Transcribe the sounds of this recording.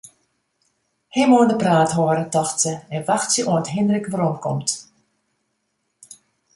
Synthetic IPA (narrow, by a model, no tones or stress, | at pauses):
hɪmoəndəpraːtɦoəɾətɔxtsəɛnʋaxtsəʔoəntɦɪndərəkʋəɾɔmkʰɔmt